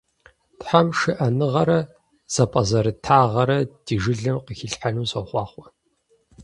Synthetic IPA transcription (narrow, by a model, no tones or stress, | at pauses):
tħamʂɨʔɐnɨʁɐɾɐ | z̥ɐpʼɐzɐɾɨtʰaːʁɐɾɐd̥iːʒɨɮɐmqəxɪɬħanuːɕʼɐχʷɑːχʷɔ